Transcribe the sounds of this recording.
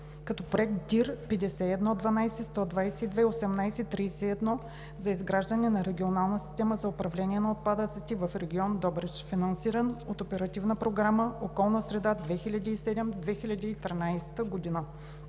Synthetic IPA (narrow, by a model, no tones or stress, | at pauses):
kɐt̪ɔpɾoɛk̚t̪̚d̪ʲiɾpɛd̪ɛsɛɛd̪nɔd̪vɐnajsɛst̪ɔd̪vajsɛid̪vɛiosɛmnajsɛt̪ːɾijsɛɛd̪nɔ | zɐizɡɾaʒd̪ɐnɛnɐɾɛɡʲionalˠnəsi̥st̪ɛməzɐopɾɐvlɛniɛnɐot̪̚pad̪ət̪sɛt̪ɛvɐfɾɛɡʲiɔnd̪ɔbɾɛt͡ʃfinɐnsiɾənot̪opɛɾɐt̪ivnəpɾoɡɾaməokɔlˠnəsɾɛd̪ad̪vɛxilʲɐd̪ʲiːsɛd̪ɛmd̪vɛxilʲɐd̪iːt̪ɾinajsɛ̥t̪əɡod̪inə